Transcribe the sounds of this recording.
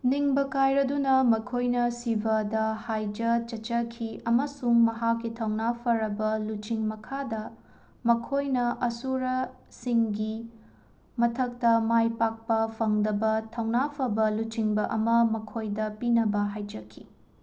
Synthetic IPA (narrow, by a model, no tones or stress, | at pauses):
niŋbɐkajɾɐdunɐmɐkʰojnɐsibɐdɐhajd͡ʒɐt͡ʃɐt͡ʃɐkʰiɐmɐsuŋmɐɦakːitʰɐwnapʰɐɾɐbɐlut͡ʃiŋmɐkʰadɐ | mɐkʰojnɐʔɐsuɾɐ | siŋɡi | mɐtʰɐk̚tɐmajpak̚pɐpʰɐŋdɐbɐtʰɐwnapʰɐbɐlut͡ʃiŋbɐʔɐ̰mɐmɐkʰojdɐpinɐbɐɦajd͡ʒɐkʰḭ